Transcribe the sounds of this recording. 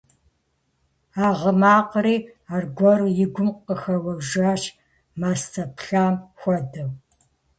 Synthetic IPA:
aːʁəmaːqriːaːrɡʷɔrjɪɡʷʊmqəxɐwɐʒaːʃ | maːstʰɐpɬaːmxʷɔdɨw

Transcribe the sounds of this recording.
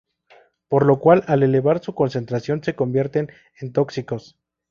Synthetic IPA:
po̞ɾlo̞kwalale̞le̞βaɾsuko̞nse̞nt̪ɾasjo̞nse̞ko̞mbje̞ɾt̪e̞n | ent̪o̞ksiko̞s

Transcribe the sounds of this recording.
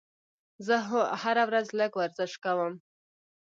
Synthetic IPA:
zəɦhaɾawɾazləɡwaɾzɪʃkawəm

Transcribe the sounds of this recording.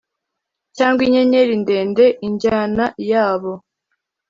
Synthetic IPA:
caːŋɡwiɲeɲeɾindeːndeʔiɲɟaːnajaːβo̞

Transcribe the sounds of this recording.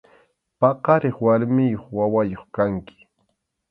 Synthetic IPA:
pɑqɑɾɪχwaɾmɪjoχwawajoχkaŋkɪ̥

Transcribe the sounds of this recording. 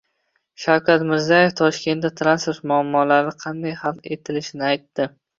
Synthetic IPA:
ʃawkʲʰat̪mɪɾzaje̞ft̪ʰɒʃkʲe̞nat̪ʰɾanspoɾt̪mʊamːɒlaɾɪqʰɑnd̪ajhɑlˠd̪e̞t̪ʰɪlɪʃɪnɪajt̪ːɪ

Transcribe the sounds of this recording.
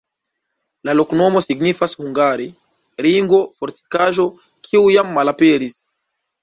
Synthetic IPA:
laloknomosiɡnifashuŋɡaɾi | ɾiŋɡofɔɾti̥kaʒo | kʰiujamːalapeɾis

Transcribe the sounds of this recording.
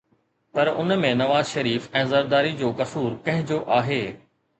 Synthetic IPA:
pɐɾʊnmẽnɐʋaːzʃɐɾiːfɛ̃ːzɐɾd̪aːɾid͡ʑoːkɐsuːɾkɐ̃ɦɪ̃d͡ʑoːʔaːɦeː

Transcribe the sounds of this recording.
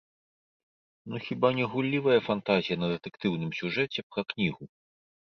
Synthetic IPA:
nuxʲibanʲɛɣulʲːivɐjɐfant̪azʲijɐnɐd̪ɛt̪ɛkt̪ɨwnɨmsʲuʐɛt͡sʲɛpɾɐknʲiɣu

